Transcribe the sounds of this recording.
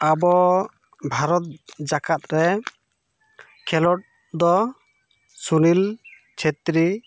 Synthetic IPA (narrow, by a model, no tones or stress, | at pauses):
abɔ | bʱaɾɔt̪̚d͡ʒakat̪̚ɾɛ | kʰɛlɔʈ̚ | d̪ɔ | sunil | t͡ʃʰet̪ɾi